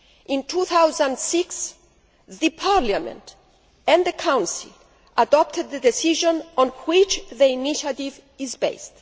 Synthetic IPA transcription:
ʔĩnt̪ʰuθawzãndsiks | ðɨpʰaɾlamɛ̰̃nt | ɛ̃nðəkʰãw̃nsḭl | ʔadɔp̚t̪ʰəd̪̚ðədesiʒɔ̃nɔ̃nhwit͡ʃðəiniʃat̪iv | izbḛjst

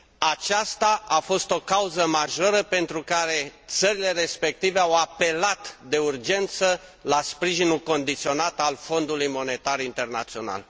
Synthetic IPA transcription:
at͡ʃast̪aʔafo̞st̪o̞kauzəmaʒo̞ɾəpe̞nt̪ɾukaɾe̞t̪səɾile̞re̞spe̞k̚t̪ive̞awape̞lat̪d̪e̞urd͡ʒe̞nt̪səlaspɾiʒinulko̞nd̪it̪sio̞nat̪alfo̞nd̪ulujmo̞ne̞t̪arint̪e̞rna̰t̪sio̞na̰l

